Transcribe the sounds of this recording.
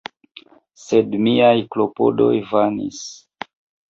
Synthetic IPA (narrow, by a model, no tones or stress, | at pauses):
se̞dmiajklo̞po̞̰do̞jvanḭs